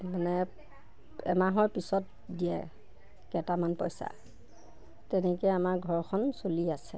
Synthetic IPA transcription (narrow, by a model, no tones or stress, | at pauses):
manɛ | ɛ̰maɦɔɹpisɔt̚ | diɛ | kɛtamanpɔ̰jsa̰ | tɛnɛkɛjamaɹɡʱɔɹkʰɔnsoliasɛ